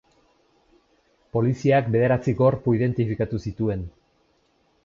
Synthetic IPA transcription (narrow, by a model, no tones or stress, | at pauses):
po̞lisiakbe̞ðe̞ɾat͡siɡo̞ɾpuið̞e̞nt̪ifikat̪usit̪ue̞n